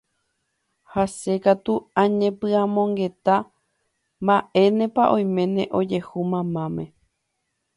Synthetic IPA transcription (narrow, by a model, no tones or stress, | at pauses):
hase̞kat̪uãɲẽ̞pɨãmõ̞ŋɡe̞t̪a | mbaʔe̞nẽ̞paʔõj̃mẽ̞nẽ̞ʔo̞d͡ʒe̞humãmãmḛ̃